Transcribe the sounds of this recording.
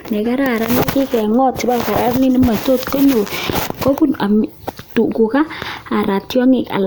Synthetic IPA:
nɛ˨ka˦ɾa˦˨ɾa˦ni˦ki˦kɛ˨ŋɔ˦tsi˨˦ba˦ka˨ɾa˦rni˦ni˦ma˨to˦tko˦ɲo˨ko˦ku˦na˨m | tu˨ku˨kaː˦˨ɾa˨tjɔ˦ŋɪ˨ka̰˨l

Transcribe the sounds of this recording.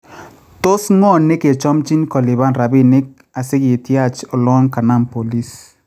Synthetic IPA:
to˦sŋɔ˦˨nɪ˦ke˨t͡ʃɔ˦mt͡ʃi˦nkɔ˨lɪ˨ba˦nɾa˨bɪ˦nɪ˦k̚ | a˨sɪ˦ɡɪ˨tja˦˨t͡ʃɔ˨lɔ˦ŋka˨na˦˨mpo˨li˦s

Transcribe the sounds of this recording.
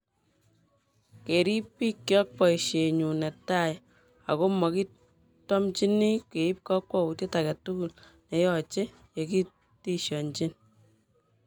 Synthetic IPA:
ke˨ɾi˦pːi˦kːjɔ˦k̚pɔ˨ʃe˨ɲu˨ne˨ta˦˨j | a̰˨ko˦mɔ˨ki˦ | tɔ˦mt͡ʃi˦ni˦ke˨i˦p̚kɔ˦kwɔ˦u˨tje˦ta˨ka˨tu˦ku˨l | ne˨jɔ˦t͡ʃe˦ | je˨ki˦ | ti˦ʃjɔ˨nt͡ʃi˦n

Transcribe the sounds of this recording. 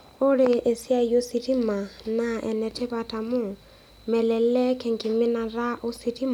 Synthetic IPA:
ʊ˦ɾɪ˦ʔe˨si˦a˦ijo˦si˦tʰʼi˦ma˨na˦ʔɛ̰˨nɛ˨tʰɪ˦ba˨tʰʼa˨mʊ˦˨ | mɛ˨lɛ˨˦ɛ˦kʰɛ˨ŋ̩˨kʼɪ˨mɪ˦na˨ra˦ʔo˦si˦tʰʼi˦ma˨

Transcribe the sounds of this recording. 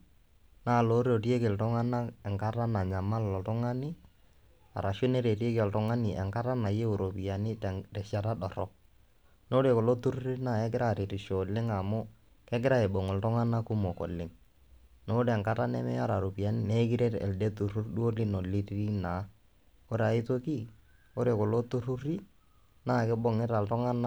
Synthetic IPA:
na˦˨lo˨˦ɾo˨ti˦e˦ke˨ltʊ˦ŋa˦na˦ɛ˨ŋka˦ɾa˦na˨ɲa˨ma˦lɔ˨tʊ˦ŋa˦nɪ˦ | a̰˨ɾa˨ʃʊ˦ne˦ɾe˨ɾi˦e˦ki˦ɛ˨ltʊ˦ŋa˦nɪ˨ʔɛ̰˨ŋka˦ɾa˦na˨je˦o˨ɾo˨pi˨a˨nɪ˦tɛ˨tɛ˨ʃa˨ta˦ɗɔ˨ɾɔ˦ | no˦ɾe˨ko˨lo˦tu˦ɾu˦ɾi˦na˦˨ɛ˦ɡɪ˦ɾa˦˨ɾe˨ɾi˨ʃo˨lɪ˦ŋa˨mʊ˦ | kɛ˦ɡɪ˦ɾa˦e˨bo˨ŋɔ˨ltʊ˦ŋa˦na˦ku˦mo˨ko̰˨lɪ˦ŋ | no˦ɾɛ˨ŋka˦ta˦nɛ̰˦mɛ̰˦ja˦ɾa˨ɾo˨pi˨a˨nɪ˦nɛ˦k̬i˦ɾe˦ɾɛ̰˨lde˦tu˨ɾu˦rdu˦o˦lɪ˦no˨li˦ri˦na˨˦ | o˦ɾa˨i˦to˦ki˦ | o˦ɾe˨ko˨lo˦tu˦ɾu˦ɾi˦ | naː˦˨kɪ˦bo˦ŋɪ˦ɾa˨ltʊ˦ŋa˦na˦

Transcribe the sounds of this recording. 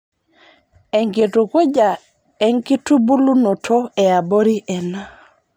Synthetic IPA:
ɛ˨ŋke˨tu˨ko˦d͡ʒa˨ | ɛ˦ŋki˦tu˦bu˦lu˦no˨tʰo˦ɛ˨a˨bo˦ɾi˦ʔɛ˨na˦

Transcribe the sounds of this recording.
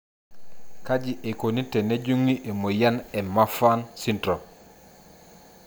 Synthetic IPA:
ka˦d͡ʒi˨ʔe˨ko˨ni˦te˨ne˦d͡ʒu˦ŋːi˦ʔe˨mo˨ja˦nɛ˨ma˦fa˦nsi˦ntɾɔ˨

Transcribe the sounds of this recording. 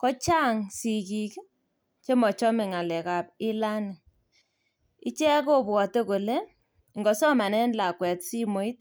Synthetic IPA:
kɔ˦t͡ʃa˦ŋsi˨ki˨k | t͡ʃe˦mɔ˨t͡ʃɔ˦me˨ŋa˨lɛ˨ka˨p̚ɪ˦la˦n˨ | i˦t͡ʃɛ˦ko˦bwɔ˨te˦ko˨le˦ | ŋɡɔ˨sɔ˦ma˨nɛ˦nla˨kwɛ˨tsi˦mo˨i˦t̚

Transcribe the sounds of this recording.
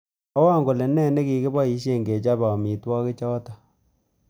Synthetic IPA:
ɔ˦wa˦˨ŋɡo˨lɛ˨nɛ˦ne˦ki˨kɪ˦ba˦i˨˦ʃe˦ŋɡe˨t͡ʃa˦ba˨mi˨twɔ˦kɪ˦t͡ʃɔː˦ta˨

